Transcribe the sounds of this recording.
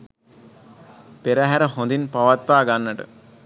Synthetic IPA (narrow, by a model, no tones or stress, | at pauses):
peɾəɦæɾəɦond̪inpaʋat̪ʋaːɡanːəʈə̰